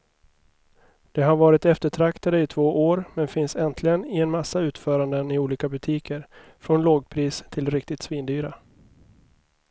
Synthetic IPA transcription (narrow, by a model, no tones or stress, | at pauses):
d̪̥ɛɦaɾvɑːɾɪt̪ɛft̪əʈʰɾakt̪ad̪əɪt̪ʰv̥oːʔoːɾmɛnfɪnsɛnt̪ʰlɪɡənɪɛnmasːaʉ̟ːt̪fœːɾand̪ənɪuːliːkabɵt̪ʰiːkʰəɾ | fɾɔnloːɡ̚pʰɾiːst̪ʰɪlɾɪkt̪ɪt̪sviːnd̪yːɾa